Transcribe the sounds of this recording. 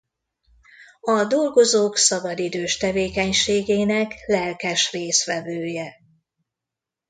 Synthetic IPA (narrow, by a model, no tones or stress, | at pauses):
ɒd̪o̞lɡo̞zoːksɒbɒd̪id̪øːʃt̪ɛveːkɛɲʃeːɡeːnɛklɛlkɛʃreːsʋɛvøːjɛ